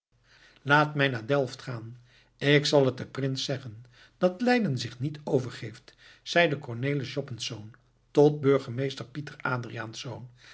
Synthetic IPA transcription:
laːtmɛjnaːɹdɛlˠftχaːn | ɪksɑlˠət̚dəprɪnsɛχən | d̥ɑtlɛjdənzɪχnitʰowvəɹχejft | z̥ɛjdəkɔɹnejləʃɔpənsown | tɔt̚bøɹχəmejstəɹpitəɹaːdriaːnsown

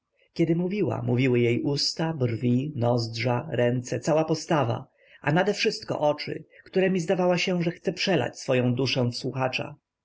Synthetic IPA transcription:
kʲɛd̪ɘmuvʲiwa̰muvʲiwɘjejust̪abrvʲinɔzdʐaɾɛnt̪sɛt̪sawapɔst̪ava̰ | ʔanad̪ɛfʂɘst̪kɔ̰ʔɔt͡ʂɘ̰kt̪uɾɛmʲizd̪avawaɕɛʐɛxt̪sɛpʂɛla̰t͡ɕsfɔjɔ̃w̃d̪uʂɛw̃fswuxat͡ʂa̰

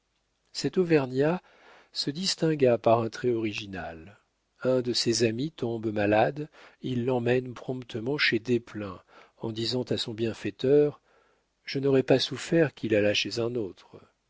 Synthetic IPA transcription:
sɛt̪ɔvɛʁnja | səd̪ist̪ɛ̃ɡapaʁɛ̃t̪χɛɔʁiʒina̰l | ɛ̃d̪əsezamit̪ɔ̃bmalad̪ilːɑ̃mɛnpχɔ̃pt̪əmɑ̃ʃed̪eplɛ̃ | ɑ̃d̪izɑ̃t̪asɔ̃bjɛ̃fɛt̪œʁ | ʒ̥ənɔʁɛpasufɛʁkʲilalaʃezɛ̃not̪χ

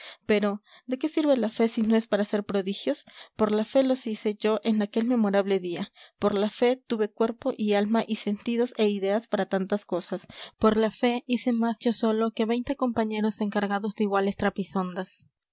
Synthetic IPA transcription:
pe̞ɾo̞ | d̪e̞ke̞siɾβe̞lafe̞sino̞e̞spaɾase̞ɾpɾo̞ðixjo̞spo̞ɾlafe̞lo̞sise̞ʝo̞ʔe̞nake̞lme̞mo̞ɾaβ̞le̞ðiapoɾlafe̞t̪uβe̞kwe̞ɾpo̞ʔialmaʔise̞nt̪iðo̞se̞iðe̞aspaɾat̪ant̪asko̞saspo̞ɾlafe̞ise̞masd͡ʒo̞so̞lo̞ke̞βe̞jnt̪e̞ko̞mpaɲe̞ɾo̞se̞ŋkaɾɣaðo̞zd̪eiɣwale̞st̪ɾapiso̞nd̪as

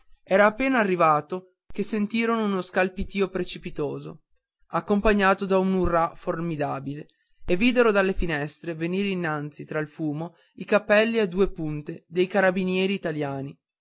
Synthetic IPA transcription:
ɛːɾaːpːeːnaːrːivaːt̪o | kesːent̪iːɾonounoskalpit̪iːopɾet͡ʃipit̪oːzo̰ | akːompaɲːaːt̪od̪aunurːaformid̪aːbile | evːiːd̪eɾod̪alːefinɛst̪ɾeveniːɾeinːant̪sit̪ɾailfuːmo | ikapːɛlːiad̪uːepunt̪ed̪ejkaɾabinjɛːɾiːt̪aljaːni

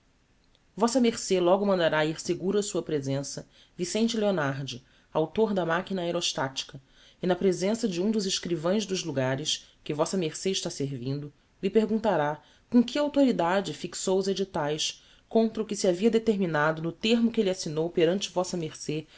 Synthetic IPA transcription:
vɔsɐmeɾselɔɡʊmɐ̃nd̪aɾaiɾseɡuɾɐsuɐpɾezẽsɐ | visẽnt͡ʃɪleonaɾd͡ʒɪ | awt̪oɾd̪ɐmakinɐeɾoʃt̪at͡ʃi̥kɐ | ɪnɐpɾezẽsɐd͡ʒɪũd̪ʊzɪʃkɾivɐ̃j̃zd̪ʊʒluɡaɾɪʃkɪvɔsɐmeχseɪʃt̪aseɾvĩnd̪ʊ | lipeɾɡũnt̪aɾa | kõkʰɪawt̪oɾid̪ad͡ʒɪfiksowʊzed͡ʒit̪ajs | kõnt̪ɾɐʊkɪsiaviɐd̪et̪eɾminad̪ʊnʊt̪eɦmʊkɪelʲasinowpeɾɐ̃nt͡ʃɪvɔsɐmeɾse

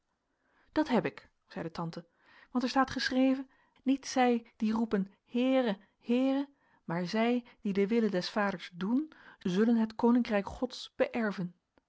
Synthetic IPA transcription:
d̥ɑtɦɛpɪk | z̥ɛjdətɑntə | ʋɑntɛɹstaːtχəsrejvə | nitsɛjd̥irupən | hɪːrə | hɪːrə | maːɹzɛjdidəʋɪlədɛsfaːdəɹzdunzɵlənɦətkownɪŋkrɛjkχɔtsb̥əʔɛɹvən

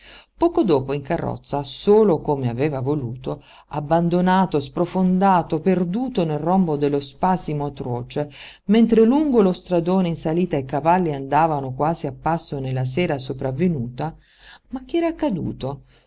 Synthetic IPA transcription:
pɔːkod̪oːpoiŋkarːɔ̰t̪sːasoːlokomeavɛːvavoluːt̪o | abːand̪onaːt̪ospɾofond̪aːt̪operd̪uːt̪onelrɔmbod̪elːospasimoat̪ɾoːt͡ʃemɛnt̪ɾeluŋɡolost̪ɾad̪oːneinsaliːt̪aekavalːiand̪aːvanokwaːziapːasːonelːas̬ɛːɾasopɾavːenuːt̪a | mak̟ːɛɾaakːad̪ṵːt̪o

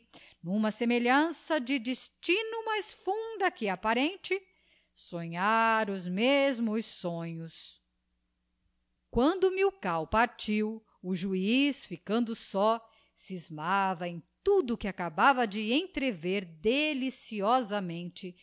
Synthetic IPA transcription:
nũmɐsemeʎɐ̃sɐd͡ʒɪd͡ʒɪst͡ʃinʊmajsfũd̪ɐkɪapaɾẽnt͡ʃɪ | sõɲaɾʊzmezmʊsːõɲʊs | kwɐ̃nd̪ʊmiwkawpaɾt͡ʃiw | ʊʒuisfikɐ̃nd̪ʊsɔ | sizmavɐẽj̃t̪ud̪ʊkɪakabavɐd͡ʒɪẽt̪ɾeveɾd̪elisiɔzɐmẽnt͡ʃɪ

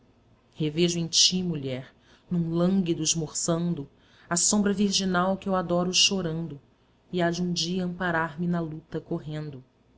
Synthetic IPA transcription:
heveʒʊẽt͡ʃimuʎɛɾ | nũlɐ̃ŋɡid̪ʊɪʒmoχsɐ̃nd̪ʊ | asõmbɾɐviɾʒinawkɪewad̪ɔɾʊʃoɾɐ̃nd̪ʊ | iad͡ʒɪũd͡ʒiɐɐ̃mpaɾaɾmɪnɐlut̪ɐkoɦẽnd̪ʊ

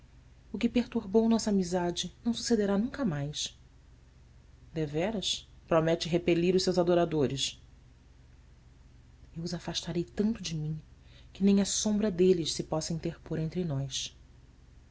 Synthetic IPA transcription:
ʊkɪpeɾt̪uɾbownɔsɐːmizad͡ʒɪnɐ̃w̃su̥sed̪eɾanũŋkɐmajs | d̪evɛɾɐspɾomɛt͡ʃɪɦepeliɾʊʃsewzad̪oɾad̪oɾɪs | ewʊzafaʃt̪aɾejt̪ɐ̃nt̪ʊd͡ʒɪmĩkɪnẽj̃ɐsõmbɾɐd̪elɪʃsɪpɔsɐĩt̪eɾpoɾẽnt̪ɾɪnɔjs

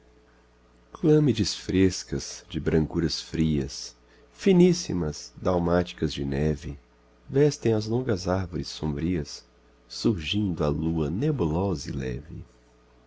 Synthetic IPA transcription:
klɐ̃mid͡ʒɪsfɾeskɐz̥d͡ʒɪbɾɐ̃ŋkuɾɐsfɾiɐ̰s | finisḭmɐzd̪awmat͡ʃi̥kɐzd͡ʒɪnɛvɪ | vɛst̪ẽj̃ɐzlõŋɡɐzaɾvoɾɪsːõmbɾiɐsː | uɾʒĩnd̪ʊɐluɐnebulɔzɐilɛ̰vɪ

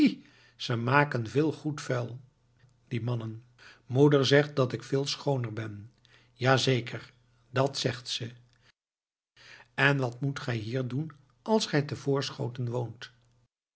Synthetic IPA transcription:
z̥əmaːkənvɪːlˠχutfɛlˠ | d̥imɑnən | mudəɹzɛχt̚dɑtɪkfɪːlˠsχownəɹbɛn | jaːzejkʰəɹ | dɑtsɛχtsə | ɛnʋɑtmutχɛjɦiːɹdun | ʔɑlˠsχɛjtəvʊːɹsχo̰wtənʋownt

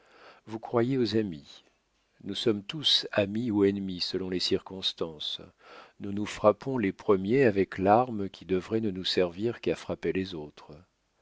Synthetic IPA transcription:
vukχwajeozami | nusɔmt̪usamiuɛnmisəlɔ̃lesiʁkɔ̃st̪ɑ̃snunufχapɔ̃lepχəmjeavɛklaʁmkʲʰid̪əvʁɛnənusɛʁviʁkafχapelezot̪χə

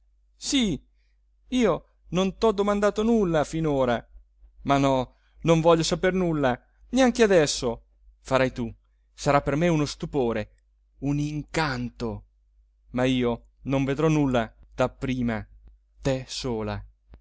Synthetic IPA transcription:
si | iːo | nont̪ɔd̪ːomand̪aːt̪onulːafinoːɾa | manɔ | noɱvɔʎːosapernulːa | neaŋk̟ead̪ɛsːo | faɾajt̪u | saɾapːermeunost̪upoːɾe | uniŋkant̪o | maiːo | noɱved̪ɾɔnulːad̪̥apːɾiːma | t̪ɛsoːla̰

